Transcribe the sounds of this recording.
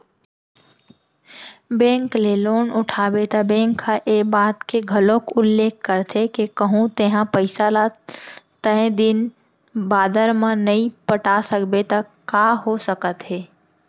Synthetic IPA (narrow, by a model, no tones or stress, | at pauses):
bɛ̃ːŋkleloːnʊʈʰaːbet̪abɛ̃ːŋkʰːaʔeːbaːt̪keɡʱəlõkʊlːeːkʰkːəɾt̪ʰekekəɦũt̪eɦãpəɪsalat̪əẽd̪ɪn | baːd̪əɾmãnɐɦĩpəʈasəkbet̪akaːɦosəkət̪ɦeː